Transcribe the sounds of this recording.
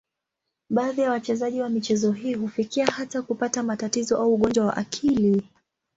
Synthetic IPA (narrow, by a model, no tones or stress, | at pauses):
ɓaːðijawat͡ʃɛzaʄiwamit͡ʃɛzɔɦiːhufikiahatakupatamatatizɔʔauːɠɔnd͡ʒwawa̰ʔa̰kʰili